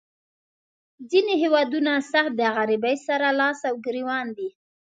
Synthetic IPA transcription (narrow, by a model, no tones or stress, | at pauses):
zineɦewɑd̪unasaxt̪̚d̪əaɣaɾibajsaɾalɑsawɡɾiwɑnd̪i